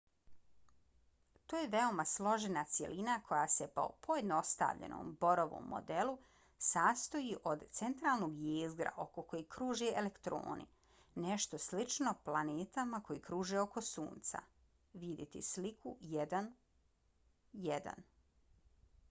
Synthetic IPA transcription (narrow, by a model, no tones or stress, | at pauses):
t̪oːjeʋe̞o̞maslˠo̞ʒenat̪sje̞̰lʔinakʰo̞jase̞po̞̰pʰo̞jed̪no̞st̪a̰ʋʎḛno̰ːmbo̞ɾoʋo̰mːo̰d̪elˠu | saːst̪o̞jiʔo̞d̪t̪se̞nt̪ɾaːlˠnoɡjeːzɡɾa̰ʔo̞koko̞jikɾuːʒeʔelekt̪ɾo̰ːnḭ | neʃt̪o̞slit͡ʃno̞plˠaneːt̪amako̞jikɾuːʒeo̞ko̞suːnt̪sa̰ | ʋid̪jit̪ḭslikʰujed̪an | jed̪a̰n